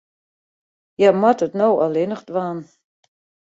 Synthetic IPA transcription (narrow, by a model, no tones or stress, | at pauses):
jamatətnowalenəχtvaːn